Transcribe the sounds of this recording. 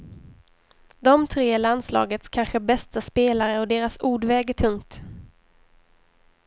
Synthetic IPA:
d̪ɔmt̪ʰɾeːland̪slɑ̰ːɡət̪skʰanɧəbɛst̪aspeːlaɾəɔd̪eːɾasuːɖvɛːɡət̪ʰɵŋt̪

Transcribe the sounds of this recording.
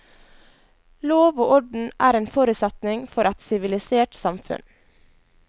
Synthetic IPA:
loːʋoːʔɔɖɳ̩ʔæːɾeːnfɔːɾʉsɛt̪nɪŋfɔɾʔɛt̪sɪʋɪlɪseːʈsɑmfʉ̰n

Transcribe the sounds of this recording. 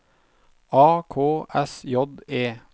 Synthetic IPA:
ɑːkʰoːʔɛsjɔd̪eː

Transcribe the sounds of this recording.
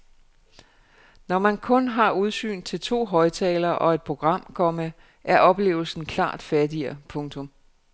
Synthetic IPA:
nɒmænkʰɔ̽nɦɑ̈uð̞ˠsy̰ːnt͡sʰe̝lt͡sʰo̝̰ːɦɒ̽ɪt͡sʰɛ̰ːlɐʔɒ̽e̝d̥̚pʰʁo̝ɡ̥ʁɑ̈m̰kʰɒ̽mə | ʔæɐʔɒ̽b̥le̝̰ːʊl̩sn̩kʰlɑ̰̈ːd̥fæɐdiɐpʰɔ̽ŋt͡sʰɔ̽m

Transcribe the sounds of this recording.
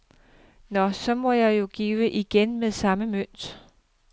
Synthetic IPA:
nɒ̽sɒ̽mɒ̽jɑ̈ɪjo̝ɡ̥iːʋəʔiɡ̥enmeðˠsɑ̈məmøn̰d̥

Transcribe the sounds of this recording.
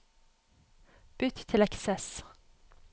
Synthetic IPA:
b̥ʏt̪t̪ʰːɪlɛksɛs

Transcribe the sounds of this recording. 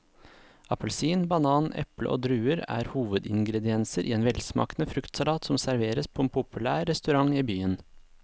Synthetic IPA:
ʔɑpəlsiːnbɑnɑːnʔɛ̰plə̰ʔo̰ːd̪ɾʉːəɾæ̰ːɾhuːʋəd̪ɪŋɡɾɛd̪ɪɛnsəɾʔiːeːnʋɛlsmɑ̰ːknəfɾʉkt̪sɑlɑːt̪sɔmsæɾʋeːɾəspʰoːeːnpʰʊpʉlæːɾːɛst̪ʉɾɑŋiːbyːən

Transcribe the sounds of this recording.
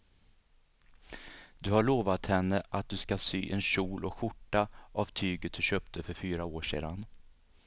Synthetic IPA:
d̪ɵhaɭoːvat̪hɛnːəʔat̪̚d̪ɵskasy̰ːʔɛnɕuːlɔkɧʊʈːaʔavt̪ʰyːɡət̪̚d̪ɵɕøːp̚t̪ʰəfœɾfyːɾaoːʂḛːd̪an

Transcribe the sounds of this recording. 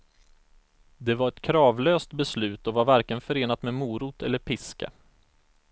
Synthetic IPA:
d̪ɛvaɾɛt̪kʰɾɑːvløːst̪bɛslʉ̟ːt̪ɔvaɾvæɾkəənfœɾeːnat̪mɛmuːɾʊt̪ʰɛ̰lːəɾpʰɪska̰

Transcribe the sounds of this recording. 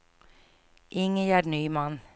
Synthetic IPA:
ʔɪŋəjæːɾnyːmɑn

